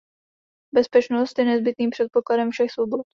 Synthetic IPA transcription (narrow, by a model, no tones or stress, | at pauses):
bɛspɛt͡ʃnost̪jɛnɛzbɪt̪niːmpr̥ɛt̪̚po̞kladɛmfʃɛxsvobot̪̚